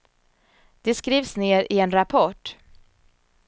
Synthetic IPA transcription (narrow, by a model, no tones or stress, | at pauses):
d̪̥ɛskɾiːvsneːɾɪɛnɾapʰɔʈ